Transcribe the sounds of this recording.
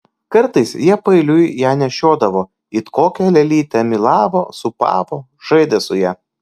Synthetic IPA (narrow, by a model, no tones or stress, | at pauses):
kɐɾt̪ɐɪsjiɛpɐɪlʲʊjjæːnʲɛʃʲoːd̪ɐʋoː | ɪt̪koːkʲɛlʲɛlʲiːt̪ʲɛmʲɪlˠɑːʋoːsʊpɑ̰ːʋoː | ʒ̥ɐɪd̪ʲesʊjɛ